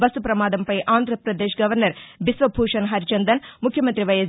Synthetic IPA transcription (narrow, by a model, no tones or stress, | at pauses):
bɐsupɾɐmaːd̪ɐmpɐjʔaːnd̪ʱɾɐpɾɐd̪eːʃɡɐʋɐɾnɐɾbisʋɐbʱuːʂɐnɦɐɾit͡ʃɐnd̪ɐnmukʰːjɐmɐnt̪ɾiʋɐjɐs